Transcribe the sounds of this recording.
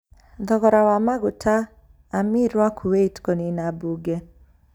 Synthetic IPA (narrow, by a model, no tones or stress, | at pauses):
d̪ɔɣɔɾawamaɡʊtʰaː | miɾwakʰuweitkoninabuɡe